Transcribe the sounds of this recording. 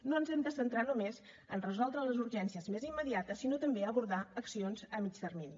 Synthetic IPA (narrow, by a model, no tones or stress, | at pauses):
noənzɛmd̪əsənt̪ɾanumez | ənrəzɔlˠd̪ɾələzuɾʒɛnsiəzmezimːəðiat̪əsːinot̪əmbeəβuɾðaəksionzəmit͡ʃt̪ərmini